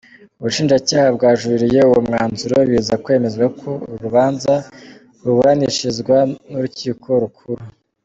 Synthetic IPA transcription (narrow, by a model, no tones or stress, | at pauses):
uβuʃiːnd͡ʒacaːhabɡaːʒuiɾije̞uwomŋaːnzuɾo̞βizakwe̞ːme̞zɡakʰoɾuβaːnza | ɾuβuɾaniʃizɡwanuɾuciːkʰo̞ɾukʰuɾu